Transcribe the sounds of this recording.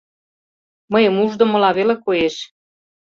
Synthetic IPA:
məjəmuʒd̪ŏmɤ̆lɑβelekojeʃ

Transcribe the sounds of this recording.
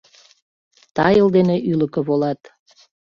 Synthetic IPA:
t̪ɑjə̆ld̪eneʔyləkə̆βolɑt̪

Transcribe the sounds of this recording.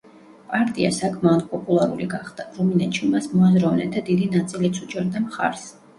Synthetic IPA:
pʼaɾt̪ʼia̰sakʰmanpʼɔpʼulˠaɾṵɾiɡaχd̪aɾɔminɛt̪ʃimasmɔazɾavnɛ̰t̪ʰad̪id̪inat̪sʼilit̪sʰut͡ʃʼɛɾd̪amχa̰ɾs

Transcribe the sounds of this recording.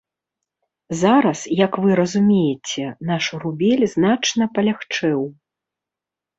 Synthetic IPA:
zaɾɐsjɐkvɨɾɐzumʲejɛt͡sʲɛnaʂuɾubʲɛlʲznat͡ʂnɐpɐlʲaxt͡ʂɛw

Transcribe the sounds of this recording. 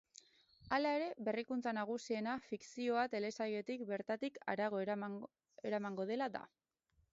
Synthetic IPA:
alae̞ɾe̞βe̞rikunt͡sanaɣ̞usie̞nafiksio̞at̪e̞le̞saje̞t̪ik̚be̞ɾt̪at̪ika̰ɾaɣ̞o̞ | e̞ɾamaŋɡo̞ð̞e̞laða̰

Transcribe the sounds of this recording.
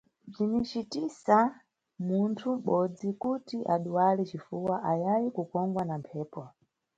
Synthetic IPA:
b͡ʐinit͡ʃitisa | muntʰum̩ɓɔd͡zikutiʔaɗuwalit͡ʃifuwaʔajajikukɔŋɡwanampʰɛːpɔ

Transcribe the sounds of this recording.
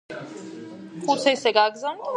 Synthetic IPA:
χʼut̪sʰɛisɛɡaɡzand̪

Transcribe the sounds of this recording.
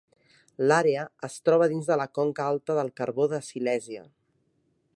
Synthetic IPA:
laɾeəəst̪ɾɔβ̞əðinzðələkɔŋkəalˠt̪əðəlˠkəɾβoðəsilɛziə̰

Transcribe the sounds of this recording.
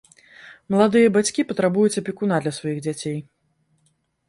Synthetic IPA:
mɐlˠad̪ɨjɐbat͡sʲkʲipɐt̪ɾabujut͡sʲɐpʲikunad̪lʲɐsvajiɣd͡zʲat͡sʲej

